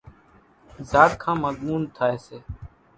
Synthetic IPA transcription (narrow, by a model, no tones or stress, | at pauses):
zaːɽkʰãːməzmuːnt̪ʰaːeːseː